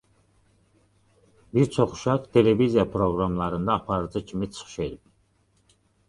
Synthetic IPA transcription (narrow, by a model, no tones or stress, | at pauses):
biɾt͡sʰɔχʃakt̪ʰɛlɛvizijapʰɾɔɡɾamlaɾɨnd̪aːpʰaɾd͡z̪ɨt͡ʃʰmɛt̪sχʃɛlp